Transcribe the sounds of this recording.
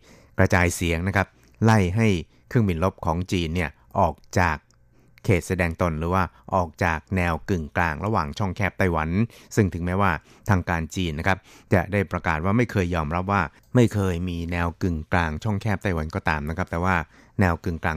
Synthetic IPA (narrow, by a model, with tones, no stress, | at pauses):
kɾa˧t͡ɕaː˧jsi˩˦əŋna˦˥kʰa˦˥p̚ | la˥˩jɦa˥˩j | kʰɯ˥˩əŋbi˧nlo˦˥p̚kʰɔː˩˦ŋt͡ɕiː˧nːi˥˩ɐ | ʔɔː˨˩k̚t͡ɕaː˨˩kʰː | eː˨˩t̪̚sa˧dɛː˧ŋt̪o˧nɾɯː˩˦waː˥˩ | ʔɔː˨˩k̚t͡ɕaː˨˩k̚nɛː˧wkɯ˨˩ŋklaː˧ŋɾa˧waː˨˩ŋt͡ɕʰɔ˥˩ŋkʰɛː˥˩p̚t̪a˥˩jwa˩˦nsɯ˥˩ŋt̪ʰɯ˩˦ŋmɛː˦˥waː˥˩ | t̪ʰaː˧ŋkaː˧nt͡ɕiː˧nːa˦˥kʰa˦˥p̚t͡ɕa˨˩daː˥˩jpɾa˧kaː˨˩t̪̚waː˥˩ma˥˩jkʰɤː˧jːɔː˧mɾa˦˥p̚waː˥˩ | ma˥˩jkʰɤː˧jmiː˧nɛː˧wkɯ˨˩ŋklaː˧ŋt͡ɕʰɔ˥˩ŋkʰɛː˥˩p̚t̪a˥˩jwa˨˦nkɔː˥˩t̪aː˧mna˦˥kʰɾa˦˥p̚t̪ɛː˨˩waː˥˩ | nɛː˧wkɯ˨˩ŋklaː˧